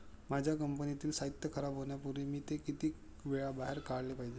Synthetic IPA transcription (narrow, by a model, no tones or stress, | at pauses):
mad͡ʑʱjakəmpənit̪iːlsait̪jəkʰəɾabɦoɳjapuɾimiːt̪ekit̪iː | ʋeɭabaɦeɾkaɽlepaɦid͡ʑe